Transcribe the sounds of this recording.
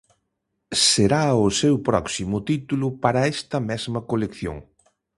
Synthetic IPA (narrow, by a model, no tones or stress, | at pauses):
seɾaʊsewpɾɔksimʊt̪it̪ulʊpaɾɐɛst̪ɐmɛzmɐkolekθjo̰ŋ